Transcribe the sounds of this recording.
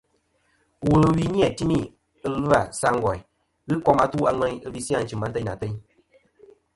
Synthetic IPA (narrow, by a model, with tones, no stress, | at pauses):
wu˨lɨ˧˦wi˦ni˦a˨ti˦mi˦˨ | ɨ˧lɨ˦a˨sa˧ŋ˦ɡɔ˨j | ɣɨ˦kɔ˦˧ma˧tu˦a˧ŋɛ˧ɲ˦ɨ˦bi˧si˦ã˦n̩˦t͡ʃɨ˨ma˦tə˦˨na̰˨tə˦ɲ